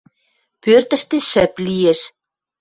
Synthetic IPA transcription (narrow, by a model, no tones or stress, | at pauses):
pørt̪ə̆ʃt̪eʃə̆plijeʃ